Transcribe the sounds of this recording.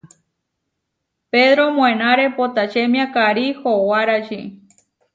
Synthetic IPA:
peðɾomõẽnaɾepot̪at͡ʃemj̃ãkaɾihowaɾaʃi

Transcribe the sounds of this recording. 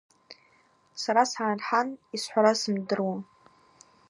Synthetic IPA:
saɾasarħanisħʷaɾasɨmdɨrwa

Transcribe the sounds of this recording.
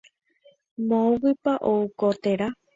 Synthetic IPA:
mõwɨpaʔoukot̪eɾa

